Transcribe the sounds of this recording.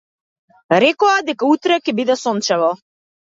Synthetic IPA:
ɾɛkɔad̪ɛkaut̪ɾɛkɛbid̪ɛsɔnt͡ʃɛvɔ

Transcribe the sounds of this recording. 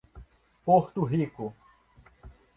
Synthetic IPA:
poht̪uɦiku

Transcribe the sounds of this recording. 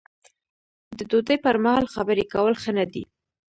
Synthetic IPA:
d̪əd̪od̪əjpəɾmahɑlxabəɾekawəlxənad̪ḭ

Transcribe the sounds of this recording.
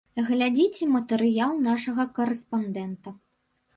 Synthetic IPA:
ɣlʲad͡zʲit͡sʲɛmɐt̪ɛɾɨjalˠnaʂɐɣɐkɐɾɛspand̪ɛnt̪ɐ

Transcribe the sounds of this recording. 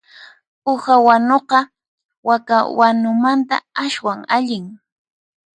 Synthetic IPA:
ʊhawanoqɑ | wakawanʊmant̪a̰aʃwaŋaʎɪŋ

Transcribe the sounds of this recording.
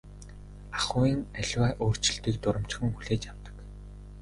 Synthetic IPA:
aχʊːiːŋæɮʲwæːʔoːr̥t͡ɕɪ̆ɮt̪iːk̚t̪ʊɾə̆m̥t͡ɕxɘ̆ŋxuɮeːt͡ɕjaw̥t̪ə̥̆k

